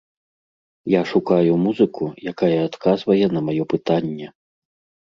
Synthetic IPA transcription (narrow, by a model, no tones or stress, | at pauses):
jaʂukajumuzɨkujakajɐːt̪kʰazvɐjɛnɐmajɔpɨt̪anʲːɛ